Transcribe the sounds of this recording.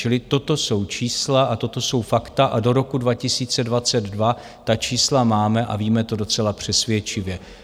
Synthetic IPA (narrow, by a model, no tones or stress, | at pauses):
t͡ʃɪlɪt̪o̞t̪o̞so̞wt͡ʃiːslaʔat̪o̞t̪o̞so̞wfakt̪aʔado̞ɾo̞kudvacɪsiːt͡sɛdvat͡sɛd̪dva | t̪at͡ʃiːslamaːmɛʔa̰viːmɛt̪o̞do̞t͡sɛlapr̝̥ɛsvjɛt͡ʃɪvjɛ